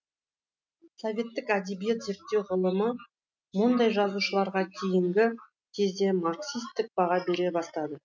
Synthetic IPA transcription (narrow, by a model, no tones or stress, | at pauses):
sovʲe̞t̪ːɪkæd̪e̞bije̞t̪ze̞ɾt̪ːe̞wʁʊlˠəmə | mʊnd̪ɑjʒɑzuʃəlˠɑɾʁɑt̪ʲʰejɪŋɡʲɪ | t̪ʲʰezd̪e̞maɾksist̪ːɪk̚b̥ɑʁɑbe̞ɾe̞bɑst̪ɑd̪ə